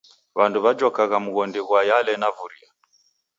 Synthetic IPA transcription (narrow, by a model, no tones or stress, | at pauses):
βanduβad͡ʒɔkaɣamuɣɔndiɣwajalɛnavuɾḭa